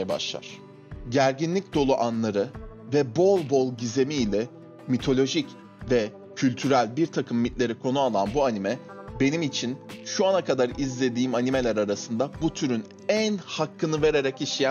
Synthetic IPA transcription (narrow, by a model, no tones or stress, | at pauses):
jɛba̰ʃlˠa̰ɾ̥ | ɟæɾɟinlʲic̚d̪o̞lˠuʔanlˠaɾɯvɛbo̞lˠbo̞lˠɟize̞miːlʲɛ | mit̪ʰo̞lʲo̞ʒic | vɛ | cʰylʲt̪ʰyɾælʲbiɾt̪ʰakʰɯmːit̪lʲe̞ɾikʰo̞nualˠanbuanimɛ | be̞nimit͡ʃʰinʃuanakʰad̪aɾizlʲe̞d̪iːmanime̞lʲæɾaɾasɯnd̪abut̪ʰyɾyn | ænhakʰːɯnɯve̞ɾe̞ɾɛciʃijæ